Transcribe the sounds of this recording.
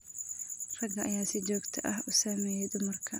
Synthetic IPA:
rɐɡɐʔɐjaːsɪd͡ʒɔːɡt̪ʰɐʔɐɦʊsaːmɛːjɛjd̪ʊmɐrkʰɐ

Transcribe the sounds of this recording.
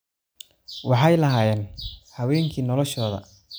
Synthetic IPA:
wɑħɑjlɐɦaːjɛːnhɐwɛːŋkʰiːnɔlɔʃɔːðɐ̰

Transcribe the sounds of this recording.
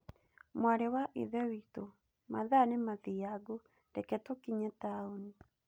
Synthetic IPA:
mwaɾɛwaʔḛðɛwito | maðanemaðiaɡo | dɛkɛtokiɲɛtaoni

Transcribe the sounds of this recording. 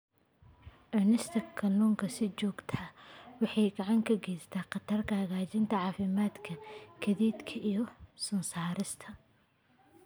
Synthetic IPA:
ʕʊnɪst̪ʰɐkʰɐnuːŋkʰɐsɪt͡ʃɔːɡt̪ʰɐwɑħɑjɡɑʕɑŋkʰɐɡɛjst̪ʰaːqɑt̪ʰɐrkʰɐhɐɣaːt͡ʃɪnt̪ʰɐʕɑːfɪmaːd̪kʰɐkʰɐðiːd̪kʰɐʔijɞsʊnsaːɾɪst̪ʰɐ

